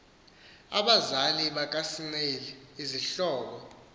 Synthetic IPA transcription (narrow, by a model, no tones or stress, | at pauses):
a̰ɓazaliɓak̬ʼasinelɛiziɬɔːk̬ɔ